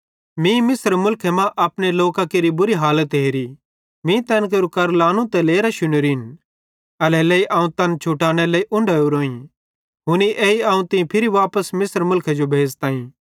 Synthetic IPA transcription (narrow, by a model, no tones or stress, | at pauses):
mĩmɪsəɾmʊlkʰɛmãʔɐpneloːkakeːɾibʊɾiɦaːlət̪ɦeːɾi | mĩt̪ɛːnk̬eɾukɐɾlaːñũt̪ɛleːɾaʃʊneɾin | ɐlɛleːiʔaːũt̪ɐnt͡ʃʰʊʈaːɽ̃ɛlɐiʔʊ̃ɳɖʱauɾoːĩ | ɦʊniʔeːiaːũt̪ɪ̃pʰɪɾiʋaːpəsmɪsəɾmʊlkʰɛd͡ʒobʱeːd͡ʒt̪ãːĩː